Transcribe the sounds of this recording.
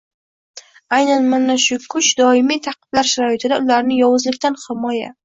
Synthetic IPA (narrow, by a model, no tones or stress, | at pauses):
ajnanmanaʃʊkʰʊt͡ʃd̪ɒɪmijt̪ʰɑqɨ̥blaɾʃaɾɒjɪt̪ʰɪd̪aʊlaɾnɪjɒwʊzlɪkʲt̪ʰanhɪmɒja̰